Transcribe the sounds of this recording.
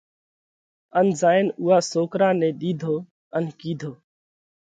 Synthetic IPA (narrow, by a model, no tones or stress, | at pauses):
ənzaːɪnʊːɦaːsoːkɾaːnɛ̃ːɗiːd̪ʱoː | ənkiːd̪ʱoː